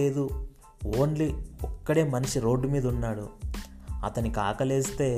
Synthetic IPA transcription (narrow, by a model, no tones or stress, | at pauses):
eːd̪u | oːnliɔkːɐɽe̞ːmɐnɐʂiɾo̞ːɖːumiːd̪ɐunːaːɽṵ | ɐt̪ɐnikaːkɐleːst̪e̞ː